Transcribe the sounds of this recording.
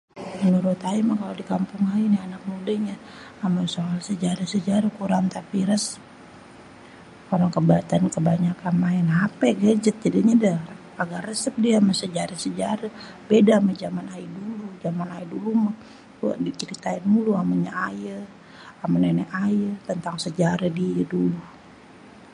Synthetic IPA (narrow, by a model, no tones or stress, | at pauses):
mənuɾut̪aimahkalodikampʊŋainianak̚mudaɲaː | masoɦalsəd͡ʒaɾasəd͡ʒaɾakuɾaŋt̪apiɾəsə̥p̚ | koɾaŋkəbat̪ankəbaɲakanmainapɛɡad͡ʒət̪ːidaɲada | aɡarəsəp̚diaaməsəd͡ʒaɾasəd͡ʒaɾa | bedamad͡ʒamanajədulud͡ʒamanajədulumah | ua̰ʔdit͡ʃəɾit̪aɪnmuluamaɲaajə | amənenɛʔajət̪ənt̪aŋsəd͡ʒaɾadiədulu